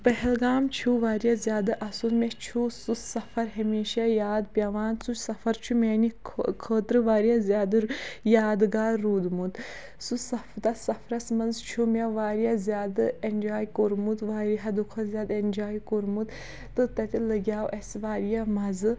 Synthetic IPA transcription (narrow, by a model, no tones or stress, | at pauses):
pɐɦɛlɡaːmt͡ʃʰuʋaːɾijazʲjaːd̪ɨʔɐsunmet͡ʃʰususɐfʰɐɾɦɐmeːʃajaːd̪pʲjɐʋaːnt͡sut͡ʃsɐfɐɾt͡ʃʰumʲenikʰkʰəːt̪ɾɨʋaːɾjazʲjaːd̪ɨɾjaːd̪ɡaːɾuːd̪mut̪ | susɐft̪ɐsɐfʰɾɐsmɐnzt͡ʃʰumʲeʋaːɾijazʲjaːd̪ɨenʲd͡ʒaːjkoɾmud̪ʋaːɾiɦɐd̪ukʰɐzʲjaːd̪enʲd͡ʒaːjkoɾmut̪ | t̪ːɨt̪ɐt̪ʲilɐɡʲjaːwʔesʋaːɾijamɐzɨ